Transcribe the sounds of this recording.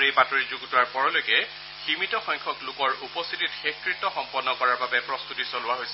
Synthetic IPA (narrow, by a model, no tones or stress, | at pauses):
ɹejpatɔɹizuɡtʊaɹpɔɹɔlojkɛ | ximitɔxɔŋkʰɔklʊkɔɹupɔst̪ʰititxexkɹitːɔxɔmpɔnːɔkɔɹaɹbabɛpɹɔst̪utisolʊwaɦojsɛ